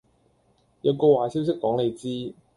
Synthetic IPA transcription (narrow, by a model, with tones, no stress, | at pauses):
jɐ˨˧wkɔː˧waː˨si˥wsɪ˥kːɔː˨˥ŋle˨˧jt͡siː˥